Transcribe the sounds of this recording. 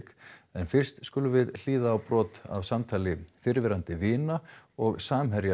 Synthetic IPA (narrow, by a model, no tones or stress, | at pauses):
kɛnfɪr̥st̪skʏlʏvɪðl̥iːðaːwpɾɔːt̪a̰vsamt̪ʰaːlɪfɪɾvɪɾant̪ɪvɪːnaɔɣsaːmɦɛɾja